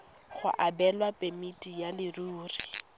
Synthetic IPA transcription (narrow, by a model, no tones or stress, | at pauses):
χʊ̰ʔabɛlwapʼemitʼijalɪruːri